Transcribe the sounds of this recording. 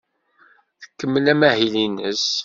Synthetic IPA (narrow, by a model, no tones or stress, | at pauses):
θə̥kːəmːəlæmæhilinəs